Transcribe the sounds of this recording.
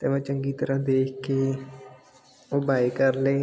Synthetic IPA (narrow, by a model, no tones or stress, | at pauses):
t̪ɛːʋãːt͡ʃəŋɡiːt̪əɾəɦd̪eːkʰkeː | oːbaːekəɾleː